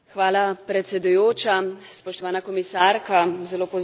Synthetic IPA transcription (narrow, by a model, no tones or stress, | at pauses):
xʋaːlapɾɛt̪sɛd̪ujoːt͡ʃaspɔʃt̪ɔʋaːnakɔmisaːɾkazɛloːpɔ